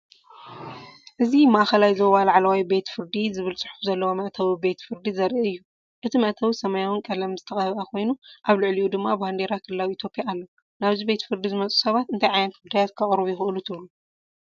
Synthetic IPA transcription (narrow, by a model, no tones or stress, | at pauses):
ʔɨzimaʔxɐlajzɐwalaʕlawajbe̞t̪fɨɾd̪izɨβɨlt͡sʼɨħu̥fzɐlːɐwomɐʔt̪ʰɐwibe̞t̪fɨɾd̪izɐɾʔiɨjːu | ʔɨt̪ʰimɐʔt̪ʰɐwisɐmɐjawɨnkʼɐlɐmzɨt̪ʰɐxʼɐhβʔakʰo̞jnuʔaβlɨʕliʔud̪ɨmːabɨhand̪eɾakʰɨlɨlawiit̪ʰjopʼjaːlːo | naβzibe̞t̪fɨɾd̪izɨmɐt͡sʼu̥sɐβat̪ɨnt̪ʰɐjʕajnɐt̪ɡud̪ajat̪kʰɐχʼɾβjɛxɨʔɨlut̪ʰɨβlu